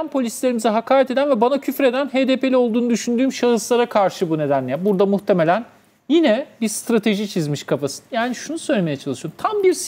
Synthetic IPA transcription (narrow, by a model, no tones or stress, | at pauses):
anpʰolʲislʲe̞ɾimizɛɦakʰaːɾɛt̪e̞d̪ænvɛbanacʰyfɾe̞d̪ænɦeːd̪epʰe̞lʲɛo̞lˠd̪uːnud̪yʃynd̪yːmʃaɯslˠaɾakʰaɾʃɯbune̞d̪ænlʲebuɾd̪amuxt̪ʰeme̞lʲæn | jinɛbiɾst̪ɾat̪ʰe̞ʒit͡ʃʰizmiʃkʰafasɯ̥njaːniʃunusøjlʲeme̞jɛt͡ʃʰalˠɯʃjoɾmt̪ʰambiɾs